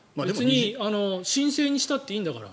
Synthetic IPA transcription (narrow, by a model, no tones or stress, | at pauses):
mabeesɨɲ̟iano̞ɕĩɰ̃se̞ːɲ̟iɕi̥t̪at̪ːe̞ĩːnd̪akaɾa̰